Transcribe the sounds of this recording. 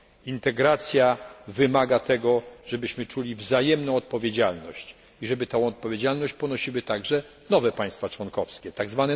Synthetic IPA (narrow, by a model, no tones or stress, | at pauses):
int̪ɛɡɾat̪sʲjavɘmaɡat̪ɛɡɔʐ̥ɛbɘɕmɘt͡ʂulʲivzajɛmnɔ̃w̃ɔt̪̚pɔvʲjed͡ʑalnɔɕt͡ɕ | iʐɛbɘt̪ɔ̃ɔt̪̚pɔvʲjed͡ʑalnɔɕt͡ɕpɔnɔɕiwɘt̪aɡʐɛ | nɔvɛpãj̃st̪fat͡ʂwɔnkɔfskʲɛt̪aɡzvanɛ